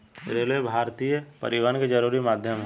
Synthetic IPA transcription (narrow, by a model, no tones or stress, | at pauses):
ɾeleebʱaːɾt̪ijəpɐ̰ɾɪʋaːnked͡ʒɐɾuːɾimaːd̪ʱjəmɦ